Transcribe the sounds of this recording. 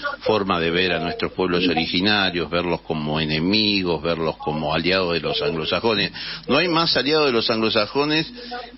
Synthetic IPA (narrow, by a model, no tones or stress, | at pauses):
fo̞ɾmaðe̞βeɾanwe̞st̪ɾospwe̞βlo̞so̞ɾixinaɾjo̞ɦβeɾlo̞sko̞mo̞enemiɣozβeɾlo̞skomo̞aljað̞oðelo̞saŋɡlo̞saxo̞nesnoajmasaljaðoð̞elo̞saŋɡlosaxo̞nes